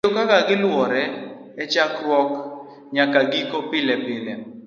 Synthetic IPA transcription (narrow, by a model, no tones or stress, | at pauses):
okakaɡɪlwɔɾɛ | ɛt͡ʃakɾwɔk | ɲakaɡikopɪlɛpɪlɛ